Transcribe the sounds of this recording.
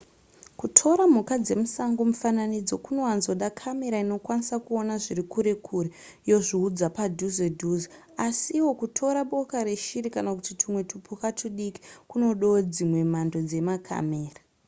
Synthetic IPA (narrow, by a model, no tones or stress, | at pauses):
kutʰo̞ɾam̤ukad͡ze̞musaŋɡomufananid͡zo̞kuno̞wanzo̞ɗakʰame̞ɾaino̞kwanisakuonaʐirikuɾe̞kʰuɾejo̞ʐiud͡zapadʱuzedʱuzo | asiwo̞kutʰo̞ɾaɓo̞kaɾe̞ʃiɾikanakutitʰimwe̞tupʰukatʰuɗiki̥kuno̞ɗod͡zimwe̞m̤ando̞d͡ze̞makʰa̰me̞ːra